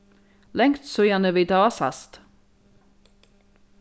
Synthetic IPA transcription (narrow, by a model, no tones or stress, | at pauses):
lɛŋt̪sojænəʋid̪ɑɑsɑ̰st̪